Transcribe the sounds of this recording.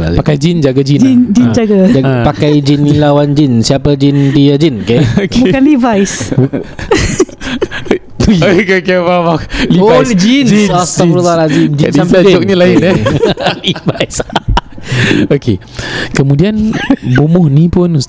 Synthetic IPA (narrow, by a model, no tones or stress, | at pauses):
a̰pakajd͡ʒind͡ʒaɡad͡ʒind͡ʒind͡ʒind͡ʒaɡaapakajd͡ʒinːĩlawand͡ʒinsiapəd͡ʒindiad͡ʒinkakbukanlivajs | kekebabaklioad͡ʒind͡ʒast̪afɾualad͡ʒimd͡ʒisanmpdiɔk̚ɲalaɪn | livajs | okʰe | kəmũdianbumʊhnĩpʊn